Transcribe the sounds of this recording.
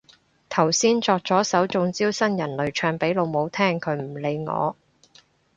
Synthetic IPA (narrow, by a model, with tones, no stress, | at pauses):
t̪ʰɐ˨˩wsiː˥nt͡sɔː˧k̚t͡sɔː˨˥sɐ˨˥wt͡sʊ˧ŋt͡siː˥wsɐ˥njɐ˨˩nlɵ˨˧ɥt͡ʃʰœː˧ŋpe˨˥jlo˨˧wmo˨˧wt̪ʰɛː˥ŋkʰɵ˨˥ɥm̩˨˩le˨˧jŋɔ̰ː˨˧